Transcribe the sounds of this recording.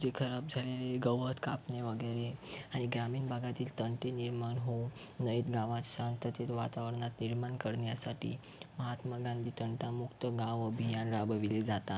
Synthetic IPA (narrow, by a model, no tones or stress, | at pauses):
d͡zekʰəɾab̚d͡zʱaleleɡəʋət̪ʰkapneʋəɡəɾeaɽ̃iɡɾamiːnbʱaɡat̪iːlt̪əɳʈeniɾmanɦo | nəjet̪ɡãʋãt̪ɕant̪ət̪et̪ʋat̪aʋəɾnat̪niɾmankəɽɳjasaʈḭː | məɦat̪məɡãnd̪iːt̪əɳʈamukt̪əɡãʋəbʱijanɾabəʋiled͡zat̪a